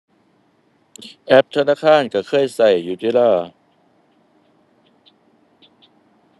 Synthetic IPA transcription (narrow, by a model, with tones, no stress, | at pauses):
ʔɛ˦˥p̚t̪ʰa˧naː˧˥˩kʰaː˧˥˩nka˧˩kʰɤː˧˥˩jsa˨˩jːuː˧˩t̪i˧˥˨laː˧˥˩